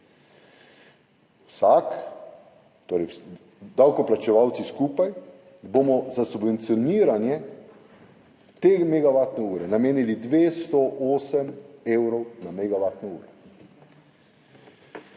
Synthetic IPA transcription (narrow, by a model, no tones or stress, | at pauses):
wsak | t̪oːɾɛj | d̪awkɔplat͡ʃɛʋawt̪siskuːpaj | bomɔzasubʋɛnt̪sijɔniːɾanjɛ | t̪eːmeɡaʋaːt̪nɛuːɾɛnameːnilid̪ʋeːst̪ɔʔoːsɛmeːwɾɔwnameɡaʋaːt̪nɛṵːɾɛ